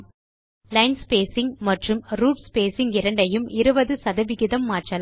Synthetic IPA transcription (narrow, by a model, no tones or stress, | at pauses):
lɐɪnspeːsɪŋmɐʈrɯmɾuːʈspeːsɪŋɡɪɾɐɳɖɐjɯmɪɾɯbɐðɯsɐðɐʋɪɣɪðɐmːaːʈrɐl